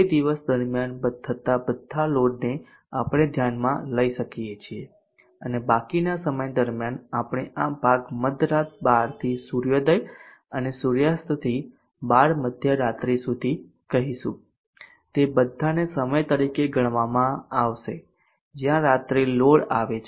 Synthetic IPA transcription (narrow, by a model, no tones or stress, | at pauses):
ed̪iʋəsd̪əɾmjanbəd̪ʰət̪abəd̪ʱːaloɽne | apɽ̃ed̪ʱjanmã̰ləiʃəkijet͡ʃʰie | ənebakinasəməjd̪əɾmjanapɽ̃eʔapaɡməd̪ʱɾat̪̚baɾt̪ʰisuɾjod̪əj | ənesuɾjast̪t̪ʰi | baɽməd̪ʱjəɾat̪ɾisud̪ʱi | kəɦiʃũ | t̪ebəd̪ʱːanesəməjt̪əɾikeɡʱəɳʋamãaʋʃe | d͡ʒjãɾat̪ɾiloɽa̰ʋet͡ʃʰ